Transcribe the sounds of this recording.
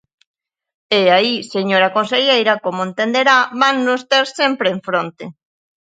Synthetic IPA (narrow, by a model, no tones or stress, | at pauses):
eaiseɲoɾakonseʎejɾɐkomoẽnt̪end̪eɾaβaŋnʊst̪ɛɾsɛmpɾeːɱfɾont̪e